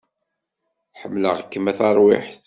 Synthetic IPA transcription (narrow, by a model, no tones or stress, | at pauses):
ħəmːləʁəkːəmæθɑɾˤwɪ̰ħθ